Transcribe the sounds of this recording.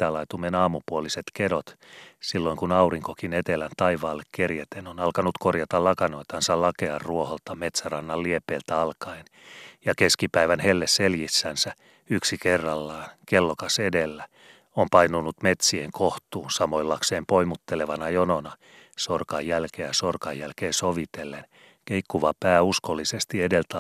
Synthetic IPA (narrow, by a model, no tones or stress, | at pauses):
t̪ːæːlɑit̪umenɑːmupuoliset̪kedot̪silːoiŋkunɑuriŋkokinet̪elænt̪ɑiʋɑːlːekkerjet̪enonɑlkɑnut̪korjɑt̪ɑlɑkɑnoit̪ɑnsɑllɑkeɑrruoholt̪ɑmet̪særɑnːɑlːiepeːlt̪æɑlkɑin | jɑkeskipæiʋænhelːesseljisːænsæ | yksikerːɑlːɑːnkelːokɑsedelːæ | ompɑinunːut̪met̪sieŋkoht̪uːnsɑmoilːɑkseːmpoimut̪ːeleʋɑnɑjononɑ | sorkɑjːælkeːæsorkɑjjælkeːsoʋit̪elːen | keikːuʋɑpæːuskolːisest̪iedelt̪